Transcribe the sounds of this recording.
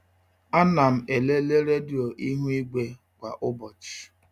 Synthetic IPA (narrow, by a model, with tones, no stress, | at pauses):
a˦na˨m̩˨e˨le˦le˦ɾe˦djo˨ʔi˦ɦu˦i˦ɡ͡be˦ | kʷa˨ʔʊ˦bɔ˨t͡ʃi̥˨